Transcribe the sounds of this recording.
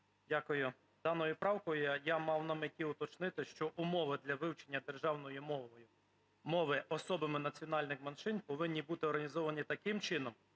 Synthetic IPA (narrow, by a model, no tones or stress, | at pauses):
dʲakʊjʊ | d̪ɑnɔjʊpɾɑwkɔjʊjamɑwnɐmɪtʲiʊt̪ɔt͡ʃnɪt̪ɪʃt͡ʃɔʔʊmɔʋɪd̪lʲɐʋɪwt͡ʃenʲːɐd̪erʒɑwnɔjʊmɔʋɔjʊ | mɔʋɪʔɔsɔbɐmɪnɐt͡sʲiɔnɑlʲnɪxmɐnʃɪnpɔʋɪnʲːibut̪ɪɔrɦɐnʲizɔʋɐnʲit̪ɐkɪmt͡ʃɪn̪ɔm